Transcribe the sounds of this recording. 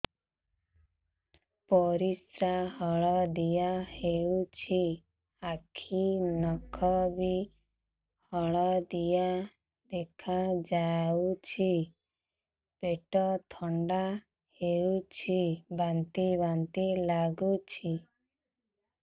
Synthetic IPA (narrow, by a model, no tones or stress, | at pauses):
pɔɾisɾahɔɭɔd̪ijaheut͡ʃʰi | akʰinɔkʰɔbi | hɔɭɔd̪ija | d̪ekʰad͡ʒawt͡ʃʰi | peʈɔt̪ʰɔɳɖa | heut͡ʃʰibant̪iβant̪ilaɡut͡ʃʰi